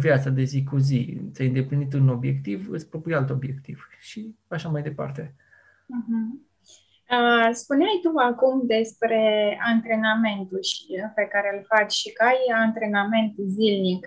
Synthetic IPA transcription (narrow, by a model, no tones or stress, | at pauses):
vjat̪sad̪e̞zikuzit̪sʲajɨnd̪e̞plinit̪ɨno̞bje̞kt̪ivɨ̰spɾopɾijalt̪o̞bje̞kt̪iv̥ | ʃi | aʃamajd̪e̞pa̰rt̪e̞ | m̩ɦm̩ | əspuneajt̪uvakumd̪e̞spɾe̞ant̪ɾe̞name̞nt̪uʃəpe̞kaɾelfat͡ʃʃikajant̪ɾe̞name̞nt̪zilnik